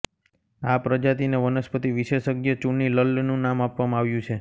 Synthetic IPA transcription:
apɾəd͡ʒat̪ineʋənəspət̪iʋiʃeʃəɡjət͡ʃuɳːiləlnũnamapʋamãaʋjũt͡ʃʰe

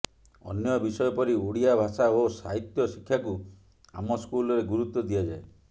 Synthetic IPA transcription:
ɔ̰njɔbisɔjɔpɔɾioɽiabʱasaosa̰ɦit̪jɔsikʰːjaku | a̰mɔskulɔɾeɡuɾut̪ːɔd̪ijad͡ʒae

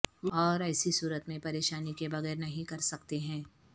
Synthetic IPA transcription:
ɔːɾɛːsisuːɾət̪mẽpɐɾeːʃaːnikebɐɣɛːɾnɐɦĩkɐɾsɐkt̪eɦɛ̃ː

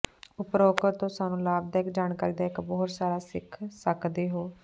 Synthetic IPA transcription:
ʊpɾoːkət̪ːõːsaːnũːlaːbd̪aːɪkd͡ʒaːnkaːɾiːd̪aːɪkbɔːt̪saːɾaːsɪ̰kʰsəkd̪eːɦoː

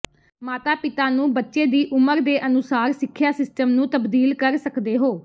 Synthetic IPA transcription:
maːt̪aːpɪt̪aːnũːbətːʃeːd̪iːʔʊməɾd̪eːʔənʊsaːɾsɪkʰːjaːsɪsʈəmnũːt̪əbd̪iːlkəɾsəkd̪eːɦoː

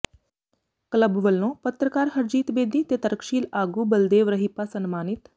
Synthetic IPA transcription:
kləbʋəlːõːpət̪ɾəkaːɾɦəɾd͡ʒiːt̪beːd̪it̪eːt̪əɾkʃiːlaːɡuːbəld̪eːʋɾəɦipasənmaːnɪt̪

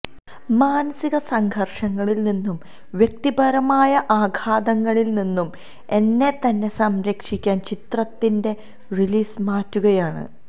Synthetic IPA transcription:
maːnɐsiɣɐsɐŋɡʱɐrʂɐŋːɐɭilninːum | ʋjek̚t̪ibɐɾɐmaːjɐʔaːɡʱaːd̪ɐŋːɐɭilninːum | e̞nːe̞t̪ɐnːe̞sɐmɾɐkʂikʲːaːnt͡ɕit̪rɐt̪ːinde̞ | riliːsmaːtːuɣɐjaːɳɨ̰

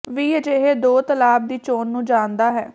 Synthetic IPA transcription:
ʋiːəd͡ʒeːɦeːd̪oːt̪əlaːb̚d̪iːt͡ʃoːnːũːd͡ʒaːnd̪aːɦɛː

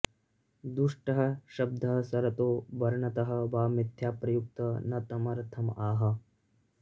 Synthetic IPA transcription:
d̪uʂʈɐɦɐ̆ʃɐb̚d̪ʱɐɦɐsɐɾɐt̪oːʋɐɾɳɐt̪ɐɦɐ̆ʋaːmit̪ʰjaːpɾɐjuk̚t̪ɐnɐt̪ɐmɐɾt̪ʰɐmaːɦɐ̆

